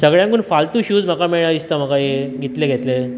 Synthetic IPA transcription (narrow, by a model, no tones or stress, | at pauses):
səɡɭjãŋkuːnfalt̪uːɕuːd͡zm̤əkameɭɳaist̪am̤əkajeɡʱet̪leɡʱet̪le